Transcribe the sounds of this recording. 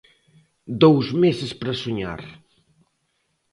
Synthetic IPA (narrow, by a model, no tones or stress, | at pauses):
d̪owzmesɪspɾɐsoɲa̰ɾ